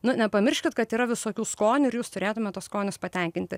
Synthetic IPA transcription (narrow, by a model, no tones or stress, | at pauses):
nʊnʲɛpɐmʲɪrʲʃʲkʲɪt̪kɐt̪iːɾɐʋʲɪsoːkʲuːskoːnʲuɪɾjuːst̪ʊɾʲeːt̪ʊmʲɛt̪ːoskoːnʲʊspɐt̪ʲɛŋʲkʲɪnʲt̪ʲɪ